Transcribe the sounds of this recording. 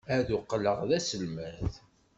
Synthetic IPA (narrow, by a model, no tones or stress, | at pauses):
æðuqːləʁðæsəlmæθ